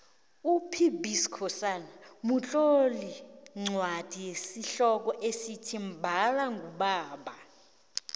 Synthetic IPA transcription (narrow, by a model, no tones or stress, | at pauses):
upʰibʱiskʰɔsanamut͡ɬʼoliŋ͡ǀʱwad̥ʱijesiɬɔk̬ɔʔesitʰim̩bʱalaŋɡʱuɓaːɓa